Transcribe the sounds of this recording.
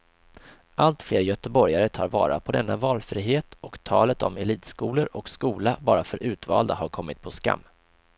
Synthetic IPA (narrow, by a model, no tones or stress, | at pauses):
ʔalt̪fleːɾjœt̪əbɔɾjaɾət̪ʰɑːɾvɑ̰ːɾa̰pʰɔd̪ɛnːavɑːlfɾiːɦeːt̪ɔkt̪ʰɑːlət̪ɔ̰mɛliːt̪skuːləɾɔkskuːlabɑːɾafœɾʔʉ̟ːt̪vɑ̰ːld̪aɦaɾkʰɔmːɪt̪̚pʰɔska̰mː